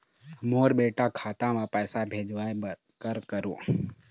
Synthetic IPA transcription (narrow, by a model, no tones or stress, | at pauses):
moːɾbeːʈakʰaːt̪amãpəːsabʱeːd͡ʒʋa | kəɾkəɾõ̰ː